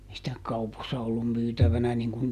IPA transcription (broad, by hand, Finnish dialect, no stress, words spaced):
ei sitæ kɑuposːɑ olːum myːtæʋænæ niŋkun